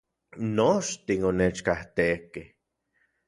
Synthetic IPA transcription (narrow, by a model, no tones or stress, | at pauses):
noʃt̪inonet͡ʃkaht̪ekeh